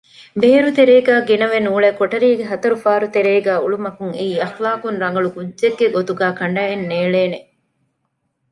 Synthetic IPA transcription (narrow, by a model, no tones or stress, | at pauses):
beːɾut̪eɾeːɡæːɡinɐʋenuːɭekoʈɐɾiːɡeɦɐt̪ɐɾufaːɾut̪eɾeːɡæːuɭumɐkuŋeiːɐxlaːkunɾɐŋɡɐɭukudːʒeɡːeɡot̪uɡæːkɐɳɖaːenːeːɭeːne